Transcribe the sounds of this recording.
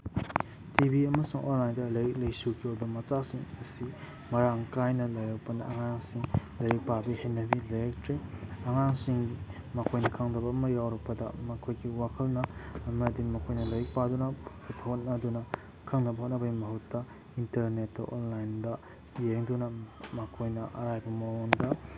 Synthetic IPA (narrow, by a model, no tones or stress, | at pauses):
tibiɐmɐsuŋʔonlajndɐlɐjik̚lɐjsukʰiojbɐmɐt͡ʃasiŋɐsi | mɐɾaŋkajnɐlɐjawpɐnɐʔːŋaŋsiŋ | lɐɾipabihenːɐbilejek̚tɾeɐŋaŋsiŋi | mɐkʰojnɐkʰaŋdɐbɐːmɐjawɾɐk̚pɐdɐ̰mɐkʰojɡiwakʰɐlnɐːmɐdiŋmɐkʰojnɐlɐɾik̚padunɐppʰithot̚nɐdunɐ | kʰaŋnɐbɐhot̚nɐbɐimɐɦutːɐ | intɐɾnetːa̰ʔonlajndɐ | jeŋdunɐmɐkʰojnɐʔɐ̰ɾajbɐmawondɐ